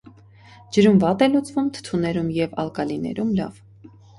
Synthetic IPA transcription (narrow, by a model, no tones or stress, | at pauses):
d͡ʒəɾumvɑt̪ɛlut͡svumt̪ʰə̥t̪ʰunɛɾumjɛvɑ̰lkɑlinɛ̰ɾumlɑ̰v